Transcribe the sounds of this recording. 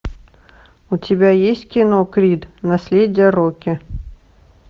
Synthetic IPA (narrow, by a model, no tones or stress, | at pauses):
ʊtʲɪbʲajesʲtʲkʲɪnokɾʲit̪nɐsʲlʲedʲɪjəɾokʲɪ